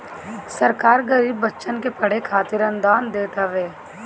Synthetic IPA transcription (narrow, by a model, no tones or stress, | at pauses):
sɐɾkaːɾɡɐɾiːbːɐtːʃənkepɐɽ̤ekʰaːt̪ɪɾə̃nd̪aːnd̪eːʈ̪əʋeː